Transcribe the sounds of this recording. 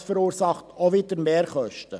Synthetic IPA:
fəɾuːɾsɑχtoʋɪdəɾmeːɾχœʃtə

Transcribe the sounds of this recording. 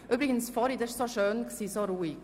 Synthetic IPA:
ʔyːbɾɪɡən̩sfɔɾid̪ɛʃsoʃøːnksiːsoɾuːik

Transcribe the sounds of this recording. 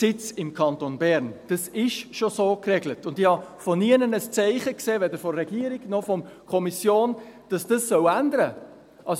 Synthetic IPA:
sɪt͡sɪmkʰɑnt̪onbɛɾnd̥ɑsɪʃʃosoːkrɛɡlətʊndɪhɑfɔniənənəst͡sɛɪχəkseːʋɛdəɾfɔːɛɡ̥iəɾiɡnɔfɔmkʰɔmisjoːnd̥ɑsd̥ɑsːœwændəɾə | ʔɑs

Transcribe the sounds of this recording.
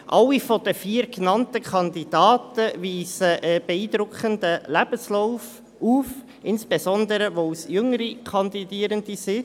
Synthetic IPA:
ʔɑlːifod̥əfiːəɾknɑntəkʰɑnd̪id̥ɑːtəviːsəʔɛb̥eiːd̪ɾʊkχəndəlæb̥əslaʊf | uːf | ʔɪnsb̥ezɔnd̪əɾəʋosjʏŋəɾikʰɑnd̪idiːəɾəndisɪ

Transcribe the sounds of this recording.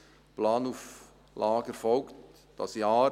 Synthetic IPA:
plɑːnuf | lʔɑːɡ̥əfɔlkt | d̥ɑsjɑː

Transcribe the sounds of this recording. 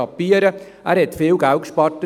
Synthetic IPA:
ɑpːiəɾə | ʔæːɾhɛt̪fɪːlɡ̥æwtʃpɑɾtə

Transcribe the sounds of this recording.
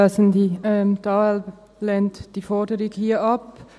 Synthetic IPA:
sndiɛmtɑːɛl | lɛntd̥iːfɔɐdəɾɪɡhiːɐʔɑp

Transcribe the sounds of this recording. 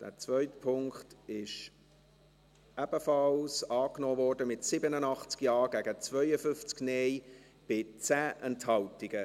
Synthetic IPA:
d̥æ̰ːt͡svœʏtpʰʊŋkχtɪʃ | ʔæb̥əfɑlsɑːknɔːvɔːɾdəmɪtsɪbənənɑχt͡skjɑːɡæɡət͡svœʏəfʏnft͡sɡnej | b̥ɪt͡sæːʔɛnthɑltɪɡə

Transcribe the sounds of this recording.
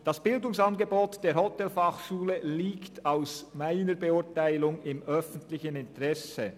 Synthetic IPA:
d̥asb̥ɪldʊŋsɑnɡeboːtd̥eːɾhɔtɛlfɑχʃuːləliːktʰaʊsmaɪnəɾbeʊtaɪlʊŋɪmœfn̩tlɪçənɪntəʁɛsə

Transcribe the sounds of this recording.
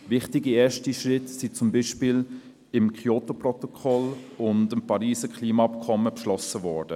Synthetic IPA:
vɪχtiɡieːʃtiʃʁɪtsit͡sʊmbiːʃpiːl | ɪmkχiotoprɔtokʰɔlʊndəmpɑɾiːsəkχliːmaɑpkʰɔmːəpʃlɔsəvɔɹd̥ə

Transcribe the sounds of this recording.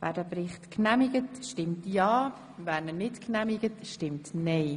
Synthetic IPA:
væ̰ːɾdəpɾɪχtknæmɪɡətʃtɪmtjɑː | væːɾnənɪtknæmɪɡətʃtɪmtnɛɪ

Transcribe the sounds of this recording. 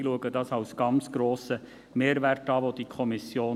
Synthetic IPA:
luəɡədɑːsɑʊsɡ̥ɑnt͡sɡ̥ɾoːsə | meːɾʋæɾtɑːvod̥ikʰɔmɪsjoː

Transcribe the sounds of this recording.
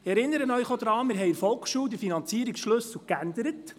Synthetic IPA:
ɛɾɪnːəɾənœʏχod̪ɾɑːmɪɾɦɛjɪɾfɔlˠkχʃuːwd̪ɪɾfinɑnt͡siəɾiksʃlɵs̩kænd̪əɾət

